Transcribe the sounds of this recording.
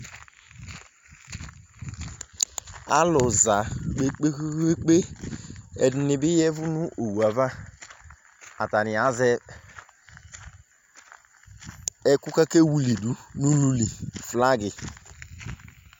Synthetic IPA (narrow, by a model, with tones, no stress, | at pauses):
a̰˦lʊ˨za˨k͡pe˦k͡pe˦e˦k͡pe˦ | ɛ˨d̩˨nɪ˨bɪ˦jɛ˦vʊ˦nu˦ʔo˨wu˨a˨va˦ | a˨ta˨nɪ˨a˨zɛ˦ | ɛ˦ku˦ka˦ke˦wu˨li˨du˨nu˦lu˦li˨fla˦ɡɪ˨